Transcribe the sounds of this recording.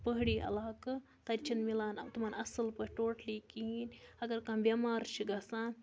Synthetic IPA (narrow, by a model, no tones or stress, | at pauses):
pəɦɽiʔɐ̰lakɨ | t̪ɐɾt͡ʃinmilanɐ̰t̪umanɐsəlpəɦʈoʈlikinʲɐɡɐɾkãbɐmaɾʃiɡɐsã